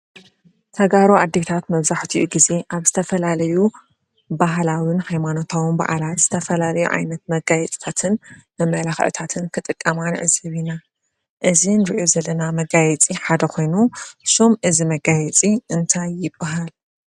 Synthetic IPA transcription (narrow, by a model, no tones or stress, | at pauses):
t̪ʰɐɡaɾoʔad̪ːet̪ʰat̪mɐβzaħt̪ʰiʔuɡize̞ʔaβzɨt̪ʰɐfɐlalɐju | baɦlawinhajmano̞t̪ʰawɨnba̰ʔa̰laz̥ɨ̥t̪ʰɐfɐlalɐjṵʕa̰jnɐt̪̚mɐɡajɛt͡sʼt̪ʰat̪ʰɨnmɐmɐlaxʔt̪ʰat̪ʰɨnkʰɨt̪ʼɨkʼːɐmanʕɨzɐβina | ʔɨzinɾɨʔozɐlːɐnamɐɡajɛt͡sʼiħad̪ɐkʰo̞jnusomʔɨzimɐɡajɛt͡sʼiɨnt̪ʰajːɪbːaɦal